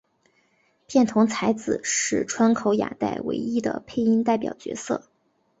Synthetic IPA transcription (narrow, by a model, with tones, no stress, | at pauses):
pjɛ˥˩nt̪ʰʊ˧˥ŋt͡sʰa˧˥ɪd͡zɹ̩˨˩ʂɻ̩˥˩ʈ͡ʂʰwa˥nkʰo˧˥ʊja̰˨˩t̪a̰˥˩ɪwḛ˧˥ɪi˥d̪ə̰˧pʰe˥˩ɪi˥nt̪a˥˩ɪpjɑ˨˩ʊt͡ɕɥɛ̰˧˥sɤ̰˥˩